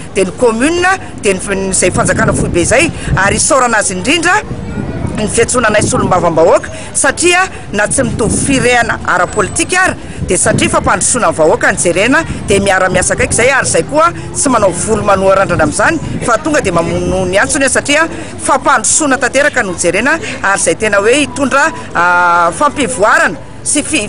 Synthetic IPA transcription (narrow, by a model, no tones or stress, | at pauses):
d̪̥enikomyninə | d̪̥eninizajfand͡zakanəfuibeizajaɾisoɾanaziɳɖ͡ʐiɳɖ͡ʐə | nivet͡sunanajsulumbavambaokə̥ | saʈ͡ʂiə | nat͡simit̪uvufiɾeanə̰ʔa̰ɾəpolit̪ikʲaɾə̥ | d̪̥esaʈ͡ʂifapaɳɖ͡ʐu̥sunanvaokanid͡zeɾenəd̪̥emiaɾəmiasakajkʲizajaɾizajkuə | t͡simanawvulumanuaɾaɳɖ͡ʐanamizani̥fat̪uŋɡəd̪emamununiant͡sunasaʈ͡ʂiə | fapaɳɖ͡ʐusunət̪at̪eɾakənud͡zeɾenəaɾiz̥ajt̪enəweit̪uɳɖ͡ʐə | fampivuaɾanə̥ | sifi